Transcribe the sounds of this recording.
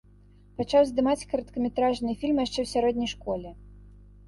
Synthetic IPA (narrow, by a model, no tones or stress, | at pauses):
pat͡ʂawzd̪ɨmat͡sʲkɐɾɐt̪kɐmʲɛt̪ɾaʐnɨfʲilʲmjaʂt͡ʂɛwsʲaɾɔdʲnʲɐjʂkɔlʲɛ